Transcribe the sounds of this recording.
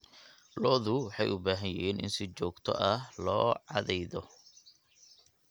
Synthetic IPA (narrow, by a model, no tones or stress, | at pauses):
lɔːðʊwħɑjʔʊbaːɦɐjɪiːnɪ̰nsɪt͡ʃɔːɡt̪ʰɔ̰ʔɐhlɔːʕɑðɛjðɔ